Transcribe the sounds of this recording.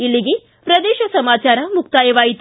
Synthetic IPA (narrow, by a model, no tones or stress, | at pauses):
ilːiɡe | pɾɐd̪eːʃɐsɐmaːt͡ʃaːɾɐmuk̚t̪aːjɐʋaːjit̪